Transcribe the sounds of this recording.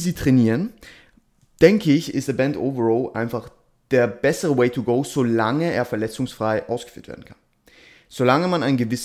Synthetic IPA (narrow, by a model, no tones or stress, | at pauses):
ziːtʁ̥ɛniːʁən | d̥ɛŋkʰəɪçɪ̰stðəbɛntʔo̰ʊvəʁɔːlʔa̰ɪnfaχ | d̥eːɐbɛsəʁəweɪtʰuɡoʊz̥olaŋəeːɐfɛɐlɛt͡sʊŋsfʁ̥aɪʔaʊsɡ̥ə̥fy̰ːɐtvḛɐdn̩kʰan | z̥olaŋəmanaɪnɡəvɪs